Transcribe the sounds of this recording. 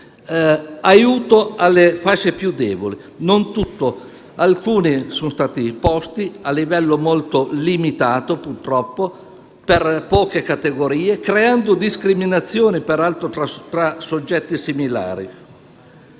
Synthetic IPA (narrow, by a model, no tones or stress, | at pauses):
ajuːt̪oalːefat͡ʃːepjud̪ːɛːboli | nont̪ut̪ːo | alkuːnisonst̪aːt̪ipɔst̪ialːivɛlːomolt̪olimit̪aːt̪opurt̪ɾɔpːo | perpɔːkekat̪eɡoɾiːekɾeand̪od̪iskɾiminat̪sːjoːnipeɾalt̪ɾot̪ɾat̪ɾasod͡ʒːɛt̪ːisimila̰ːɾḭ